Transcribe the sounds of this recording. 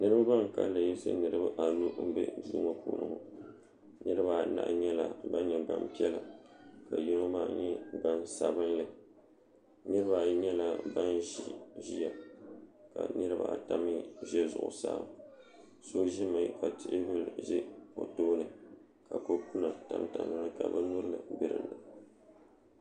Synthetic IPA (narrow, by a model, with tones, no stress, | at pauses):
nɨ˦ɾɨ˦ba˦ba˦ŋ˨ka̰˦lɨ˨ji˦sɨ̰˦nɨ˨ɾɨ˦ba˦ʔa˨nu˦m̩˦bɛ̰˦˨˦duː˦ma˦pṵ˨nɨ̰˨ŋʊ˨ | nɨ˦ɾɨ˦ba˨na̰˨ʔɲɛ˦la˨ba˦ɲɛ˨ba˨mpi˦ɛ˦la˨ka˨ji˦no˦maː˦ɲɛ˦ba˦nsa˨bɨ˦nlɨ˦ | nɨ˦ɾɨ˦ba˨ɲɛ˦la˨ba˦nʒi˦ʒi˦ja˨ | ka̰˨nɨ˦ɾɨ˦ba̰˨ta˦mi˦ʒɛ˦zʊ̰˨ʔʊ˨sa̰˨˦˨m | so˦ʒɪ˦mɨ˨˦ka˨tɪ˦ʔɪ˦bɨ˦lʒɪ˦po˨toː˦nɨ˨ | ka˨ko˦ku˦na˨ta˨˦mta˨mɨ˦nɨ˦ka̰˨bɨ˦nʊ˦ɾɨ˦lɨ˨bɪ˦ɾɨ̰˨nɨ˨